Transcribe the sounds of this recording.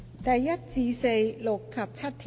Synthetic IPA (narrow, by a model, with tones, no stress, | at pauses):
t̪ɛː˨˩jɐ˦˥t̪̚t͡siː˧se˧jlo˨˩kʰːɐ˨˩p̚t͡ɕʰa˦˥t̚t̪ʰi˩